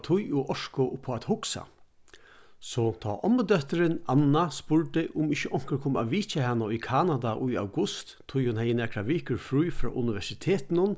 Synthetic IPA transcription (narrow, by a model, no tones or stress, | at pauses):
t̪ʰʊjʊʔɔʂkʊʔʊpʰːoat̪hʊksa̰ | sɔt̪ʰɔ̰ːʔɔmːəd̪œht̪əɾɪnanːaspʊɹʈ̪ɪʔʊmɪçəʔɔŋ̥kəɾkʰoːma̰ʋiːt͡ʃahanːaʊjkʰaːnad̪aʔʊja̰wɡʊst̪ʰːʊjhʊnhɛjːɪnɛːkʰɾaʋɪːkəɾfɾujfɾɔ̰ːʔʊnɪʋɛʂɪt̪ʰeːt̪ɪnʊn